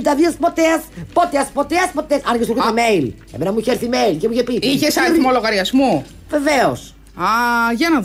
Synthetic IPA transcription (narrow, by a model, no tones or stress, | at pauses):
t̪ɐðiɐspot̪eɐspot̪eɐspot̪eɐspot̪esɐnkesukɾit̪imejl | ḛmenɐmuiçeɾθimeilcemuiçepiiçesɐneθimoloɣɐɾiɐzmu | ve̞veos | ɐʝɐnɐ